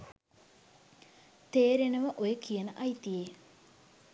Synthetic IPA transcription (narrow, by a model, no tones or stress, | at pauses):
t̪eːɾenɐʋəʔojekijənəʔɐjt̪ije